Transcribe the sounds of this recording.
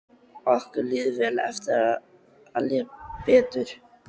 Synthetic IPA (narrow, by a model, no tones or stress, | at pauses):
ɔhkʏɾlɪːðʏvɛːlaɛft̪ɪɾa | a̰ljɛpɛːt̪ʏɾ̥